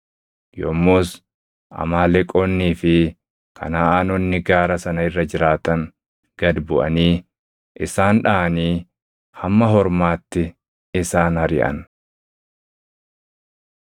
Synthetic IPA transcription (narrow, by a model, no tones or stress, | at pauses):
jɔmːoːs | ʔɐ̰maːlɛkʼːoːnːiːfɪ | kʰɐ̰naaːnɔnːɪɡaːɾɐsɐnɐɪrːɐd͡ʒɪɾaːt̪ɐŋ | ɡ̥ɐd̪bʊʔɐniː | ʔɪsaːnᶑaʔɐniː | hɐmːɐɦɔɾmaːt̪ːɪ | ɪsaːnhɐɾɪʔɐ̰n